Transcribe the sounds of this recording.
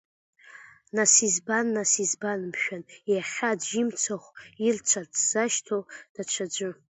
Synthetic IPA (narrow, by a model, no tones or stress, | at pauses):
nasizbanːasizbanmʃᶣanjjaχʲadʒimt͡sʰaχʷirt͡ʃʷʰadz̥aʃtʰod̥at͡ʃʷʰad͡ʒʷɨ